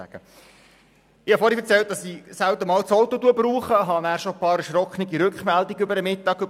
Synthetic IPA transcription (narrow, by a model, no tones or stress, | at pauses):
æ̰ɡ̥ə | ɪhɑfɔɾhifɛəɾt͡sɛlt̪̚d̥ɑsisæwt̪əmɑːlt͡sɔwt̪ot̪uəbruːχəɦɑnæːɾʃopɑːɾəʃɾɔkχniɡiɾʉkχmældiɡʏbəɾəmɪtːɑɡʏb